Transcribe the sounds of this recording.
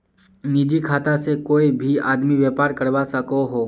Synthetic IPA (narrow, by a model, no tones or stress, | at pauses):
nid͡ʒikʰaːt̪asekoːibʱiaːd̪miʋjɛːpaːɾkɐɾbasɐkoɦoː